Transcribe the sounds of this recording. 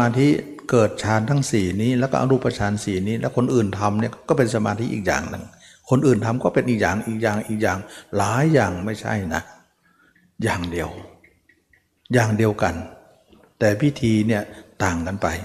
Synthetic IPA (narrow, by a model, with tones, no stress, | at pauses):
maː˧t̪ʰi˦˥ | kɤː˨˩t̪̚t͡ɕʰaː˧nt̪ʰa˥˩ŋsiː˨˩niː˦˥lɛ˦˥wkɔ̰˥˧ʔa˧ɾuː˦˥˩pːa˧t͡ɕʰaː˧nsiː˨˩niː˦˥lɛː˦˥wkʰo˧nʔɯː˨˩nt̪ʰa˧mni˥˩ɐ˦kɔː˥˩pe˧nsa˧maː˧t̪ʰi˦˥ʔiː˨˩k̚ja̰ː˨˩ŋna̰˧˩ŋ | kʰo˧nʔɯː˨˩nt̪ʰa˧mkɔː˥˩pe˧nʔiː˨˩k̚jaː˨˩ŋʔiː˨˩k̚jaː˨˩ŋʔiː˨˩k̚jaː˨˩ŋlaː˨˦jːaː˨˩ŋma˥˩jt͡ɕʰa̰˥˩jna˦˥ | jaː˨˩ŋdi˧əw | jaː˨˩ŋdi˧əwka˧n | t̪ɛː˨˩wi˦˥˨t̪ʰiː˧ni˥˩ɐt̪aː˨˩ŋka˧npa˧j